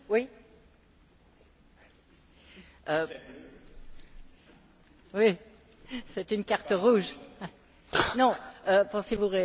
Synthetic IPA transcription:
wi | ø | wi | sɛt̪ynkaʁt̪əʁuʒ | nɔ̃øpɑ̃sevuʁe

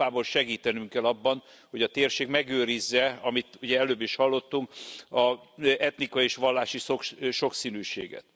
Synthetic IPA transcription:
aːbolʃɛɡiːt̪ɛnyŋkɛlɒbːɒn | ho̞ɟɒt̪eːrʃeːɡmɛɡøːɾizːɛɒmit̪uɟɛɛløːbːiʃhɒlːo̞t̪ːuŋkɒɛt̪nikɒjieːʃʋɒlːaːʃisokʃo̞ksiːnyːʃḛːɡɛ̰t̪

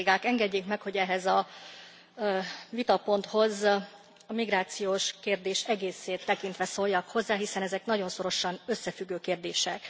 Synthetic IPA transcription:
ɡaːkɛŋɡɛɟːeːkmɛkho̞ɟɛɦɛzɒ | vit̪ɒpo̞nt̪ho̞z | ɒmiɡɾaːt̪sijoːʃkeːrd̪eːʃɛɡeːseːt̪ːɛkint̪ʋɛsoːlːɒkho̞zːaːɦisɛnɛzɛknɒɟo̞nso̞ɾo̞ʃɒnø̞sːɛfyɡːøːkeːrd̪eːʃɛk

